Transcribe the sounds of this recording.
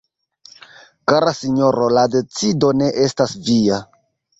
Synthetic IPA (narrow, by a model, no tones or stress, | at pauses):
kaɾasiɲo̞ɾo̞lade̞t͡sido̞ne̞ʔe̞stasvia